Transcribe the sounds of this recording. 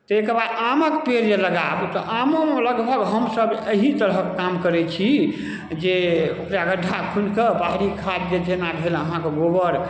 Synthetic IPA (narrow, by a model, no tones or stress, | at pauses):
t̪ɔekəɾbad̪aməkpeɾd͡ʒeləɡabt̪ɔʔamomeləɡbʱəɡɦəmsəbeɦit̪əɾɦəkːamkəɾɛt͡ʃʰi | d͡ʒeokɾaɡəɖʱakʰunkəbaɦɾikʰat̪̚d͡ʒed͡ʒenabʱeləɦãkeɡobəɾ